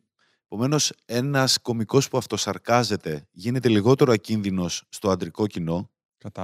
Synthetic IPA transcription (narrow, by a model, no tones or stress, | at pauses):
epo̞me̞no̞se̞nɐsko̞miko̞spuɐft̪o̞sɐɾkɐze̞t̪e̞ʝine̞t̪e̞liɣo̞t̪e̞ɾoɐcinðino̞sːt̪o̞ɐnd̪ɾiko̞cino̞